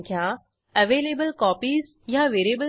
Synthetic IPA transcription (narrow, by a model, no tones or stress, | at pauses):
kʰjã | əʋeːleːbəlkɔːpiz | jaʋeːɾieːbə